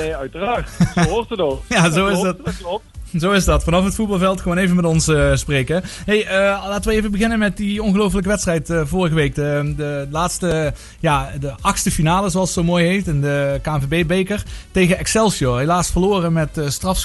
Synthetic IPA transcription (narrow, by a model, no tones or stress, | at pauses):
œɥtəraːtəojazowɪzt | zowɪzdɑtfɑnɑfɦətfut̚bɑlˠvɛlˠtxəʋoːnejvənmɛtɔnsəsprekəɦejəlaːtəʋəejvəbəɣɪnənmɛt̚diɔnɣəlowf̬ələk̬əʋɛtstrɛjtəvʊːrəɣəʋejk̚ədəlaːtstə | jaːdəʔɑxstəfinaːləzoɑlˠsətsowmoːjɦejftɪndəkaːvebejbejkərtejɣəɛksɛlˠsioɦejlaːsfərloːrəmɛtəstrɑfs